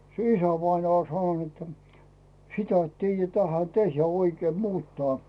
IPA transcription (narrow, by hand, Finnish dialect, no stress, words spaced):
se isæʋɑinɑː olʲ sɑnon etːæ̥ sitæ et tiːjæ tæhæ tehjæ oikeːm muːtːɑː